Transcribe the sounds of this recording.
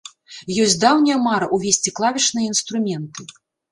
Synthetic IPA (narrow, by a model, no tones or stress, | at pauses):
jɔsʲd̪awnʲiɐmaɾɐʔuvʲesʲt͡sʲiklˠavʲit͡ʂnɨjɐinst̪ɾumʲɛnt̪ɨ